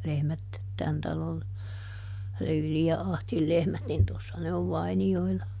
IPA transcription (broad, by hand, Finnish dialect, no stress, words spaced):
lehmæt tæn tɑlol lyːli jɑ ɑhtil lehmæt nin tosːɑ ne oʋ ʋɑinioilɑ